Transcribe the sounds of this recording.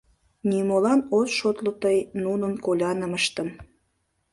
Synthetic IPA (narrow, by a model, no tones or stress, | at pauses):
nʲimolɑnosʃot̪lət̪əjnunənkolʲɑnəməʃt̪əm